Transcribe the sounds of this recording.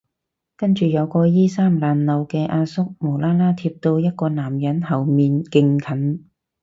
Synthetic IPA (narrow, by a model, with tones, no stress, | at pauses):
kɐ˥nt͡ʃyː˨jɐ˨˧wkɔː˧jiː˥saː˥mlaː˨nːɐ˨˧wkɛː˧ʔaː˧sʊ˥k̚mo˨˩laː˥laː˥t̪ʰiː˧p̚t̪o˧wjɐ˥t̚kɔː˧naː˨˩mjɐ˨˥nhɐ˨˩wmiː˨˧nkɪ˧ŋkʰɐ˨˥n